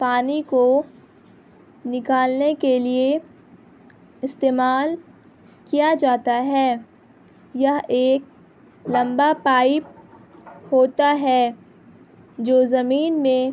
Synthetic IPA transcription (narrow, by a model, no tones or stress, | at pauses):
paːniko | nɪkaːlnekelie | ɪst̪eːmaːl | kijad͡ʒaːt̪aɦɛː | jaeːk̚ | lɐ̃mbapaːɪp̚ | hoːt̪aɦɛː | d͡ʒoːzɐmiːnmẽ